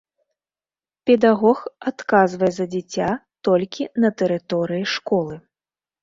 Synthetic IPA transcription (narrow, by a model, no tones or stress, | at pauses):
pʲɛd̪aɣɔxat̪kazvɐjɛzɐd͡zʲit͡sʲːat̪ɔlʲkʲinɐt̪ɛɾɨt̪ɔɾɨjiʂkɔlˠɨ